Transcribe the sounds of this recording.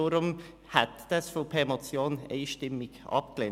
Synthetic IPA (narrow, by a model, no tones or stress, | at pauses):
ʊɾʊm | hat̪d̪̥ɑsfɔpʰemot͡sjoːnḛɪʃtɪmːɪɡ̥ʔɑ̰pklen